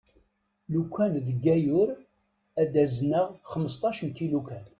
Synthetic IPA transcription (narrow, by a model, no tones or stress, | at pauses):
lukʷʰːænðəɡːæjʊɾ | æd̪æzənəʁχəmːəst̪ˤɑʃənkilukæn